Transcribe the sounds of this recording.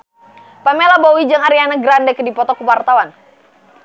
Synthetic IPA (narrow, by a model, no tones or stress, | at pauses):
pamelabowid͡ʒaŋaɾianaɡɾandɛkədipɔt̪ɔkuwart̪awan